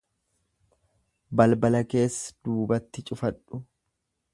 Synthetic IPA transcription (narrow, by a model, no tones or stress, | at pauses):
bɐlbɐlɐke̞ːsːɐ̥d̪̥uːbɐt̪ːɪt͡ʃʼʊfɐᶑʊ